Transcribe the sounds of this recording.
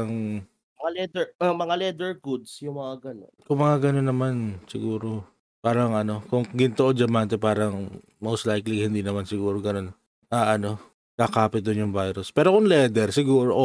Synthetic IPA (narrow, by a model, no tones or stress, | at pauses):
ɐŋ | ɐŋalɛd̪ɛɐmɐŋalɛd̪ɛɹkud̪sjʊŋmɐŋaɡɐno̰nkʊŋmɐŋaɡɐno̞nːɐmansɪ̰ɡuːɾo̞ | paːɾɐŋʔɐno̞kʊŋɡɪnt̪oʔod͡ʒɐmant̪ɛpaːɾɐŋ | mowst̪lajklihɪnd̪iːnɐmansɪɡuːɾoɡɐno̞n | ʔaːʔɐno̞ | kaːkaːpɪt̪̚ʊnjʊŋvajɾʊspɛːɾo̞kʊŋlɛːd̪ɛɾsɪɡuːɾoʔ